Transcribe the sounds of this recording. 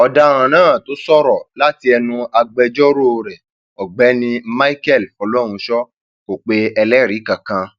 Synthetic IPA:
ɔ˧da˦ɾ̃ã˧˨nãː˦˨to˨˦sɔ˦ɾɔ˨la˦ti˧˦ɛ˧nũ˧a˧ɡ͡bɛ˧d͡ʒɔ˦ɾo˦o˧ɾɛ˨ | ɔ˨ɡ͡bɛ˨˦nĩ˧ma˦i˦kɛ˦˨lfɔ˧lɔ˦ɾ̃ũ˧ʃɔ˦ | ko˨k͡pe˨˦ɛ˧lɛ˦˨ɾi˨˦kã˨kã˧

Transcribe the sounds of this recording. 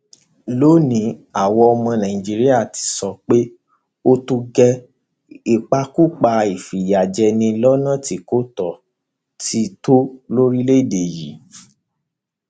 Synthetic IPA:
lo˦nĩ˨˦a˦˨wɔ˧ɔ˧mɔ̃˧nã˨ĩ˨d͡ʒi˦ɾi˦a˦˨ti̥˨˧sɔ˧k͡pe˦ | o˦tu˧ɡɛ˧ | i˨k͡pa˧ku˦k͡pa˧i˨fi˨ja˨d͡ʒɛ˧nĩ˧lɔ˦nã˦˨ti˨˦ko˦tɔ˨ | ti˧˦to˦lo˦ɾi˦le˦i˦˨de˨jḭ˨˦

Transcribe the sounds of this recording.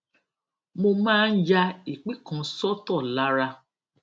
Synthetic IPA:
mo˧mãː˦˧n̩˦d͡ʒa˧i˨k͡pi˦kã˨˧sɔ˦tɔ˦˨la˨˦ɾa˧

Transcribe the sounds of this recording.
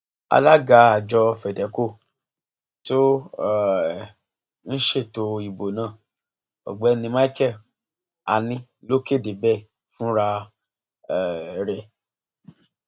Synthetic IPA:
a̰˧la˦ɡa˨˦a˨d͡ʒɔ˧fɛ˨dɛ˨˦ko˦˨ | to˦˨ | n̩˦ʃe˦˨to˧i˨bo˨nãː˦˨ | ɔ̰˨ɡ͡bɛ˨˦nĩ˧ma˦kɛ˦˨ | a̰˨nĩ˧lo˦ke˦˨de˨bɛ˦˨ | fũ˦ɾa˧ | ɛ˨˦ɾɛ˨

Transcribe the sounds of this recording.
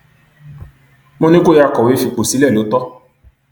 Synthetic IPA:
mõ˦nĩ˦ko˦ja˦˨kɔ˨we˨˦fi˧k͡po˨si˨˦lɛ˦˨lo˨˦tɔ˦

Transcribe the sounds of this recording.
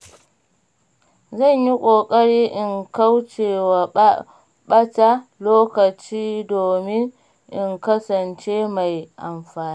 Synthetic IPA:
zɐ˦˨ɲji˦kʷʼoː˨kʼɐ˦ɽiː˦ʔɪ˨ŋka˦wt͡ʃeː˨wa˨ | ɓɐ˦ta˦loː˦kɐ˨t͡ʃiː˦doː˨mɪ˦ŋ | ʔɪ˨ŋkɐ˦sɐ˨nt͡ʃe˦ma˨jʔa̰˨mɸaː˨niː˦

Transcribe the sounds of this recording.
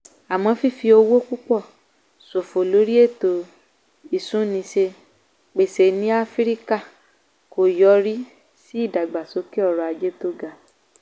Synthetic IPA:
a˨mɔ̃˧fi˦˨fi˧o˧wo˦ku˦k͡pɔ˦˨ | so˨fo˨lo˨˦ɾi˦e˦˨to˨ | i˦˨sũ˨˦nĩ˧ʃe˧ | k͡pe˨se˨nĩ˨˦a˦fi˦ɾi˦ka˦˨ | ko˨jɔ˨˦ɾi˦ | si˦i˦˨da˨ɡ͡ba˨so˨˦ke˦ɔ˦˧˨ɾɔ˧a˧d͡ʒe˦to˦ɡa˨

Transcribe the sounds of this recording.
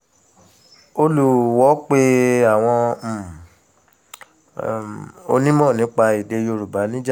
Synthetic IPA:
o˧lu˨wɔ˨˦k͡pe˦a˦˨w̃ɔ̃˧˨ | o˧nĩ˦mɔ̃ː˦˨nĩ˨˦k͡pa˧i˨de˧jo˧ɾu˨ba˨˦nĩ˦d͡ʒa˦

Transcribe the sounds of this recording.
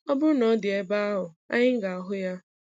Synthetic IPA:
ɔ˦bʊ˦nɔ˨˦dɪ˨e˦ba˦a˦ɦʊ˨ | a̰˦ɲɪ˦ŋ̩˦ɡa˨a˨ɦʊ˦ja˦

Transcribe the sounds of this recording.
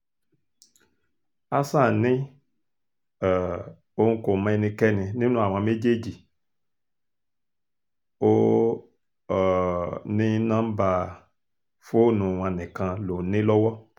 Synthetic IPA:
a˦sã˦˨nĩ˦˨ | o˦ŋ̩˦ko˨mɛ˧˦nĩ˧kɛ˦nĩ˧nĩ˦nũ˦˨a˨m˨ã˧me˦d͡ʒe˦d͡ʒi˨ | o˦˨ | nĩ˦nã˦ba˧ | fo˦˨nũ˨wã˧nɛ̃˨kã˧lo˨nẽ˦lɔ˦wɔ˦

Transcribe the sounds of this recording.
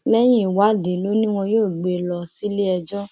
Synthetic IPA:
lɛ˦j̃ĩ˦˨wa˨˦˨de˨˦lo˦nĩ˦w̃ɔ̃˧joː˦˨ɡ͡be˧˨lɔ˧si˦le˦ɛ˧d͡ʒɔ˦

